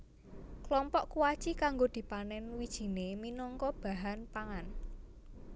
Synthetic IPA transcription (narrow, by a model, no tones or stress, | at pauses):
klɔmpɔʔkuwat͡ʃikaŋɡod̪̥i̤panɛnwid̥ʒ̥i̤neminɔŋkɔb̥a̤ɦanpaŋan